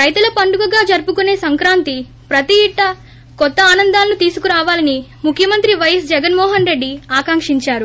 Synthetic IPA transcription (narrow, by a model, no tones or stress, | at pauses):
ɾɐjt̪ulɐpɐɳɖuɡɐɡaːd͡ʒɐɾpukune̞ːsɐŋkɾaːnt̪i | pɾɐt̪iːʈːɐ | kɔt̪ːɐaːnɐnd̪aːlɐnut̪iːsukuɾaːʋaːlɐnimukʰːjɐmɐnt̪ɾiʋɐjɐsd͡ʒɛɡɐnmɔːɦɐnɾe̞ɖːiaːkaːŋkʂiɲt͡ʃaːɾu